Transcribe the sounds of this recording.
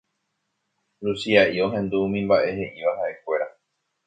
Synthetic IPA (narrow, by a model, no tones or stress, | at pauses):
lusiaʔio̞ɦẽ̞nd̪uumĩmbaʔe̞he̞ʔiʋaɦaʔe̞kʷe̞ɾa